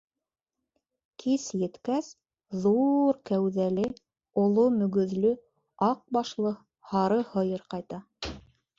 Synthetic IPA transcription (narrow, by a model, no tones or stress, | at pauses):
kʰisjɘ̆t̪kæs | ðuɾkæwðælɘ | ŏlˠomɵ̆ɡɵ̆ðlɵ | ɑq̚bɑʃlˠɤ | hɑɾɤhɤ̆jɤɾqɑjt̪ɑ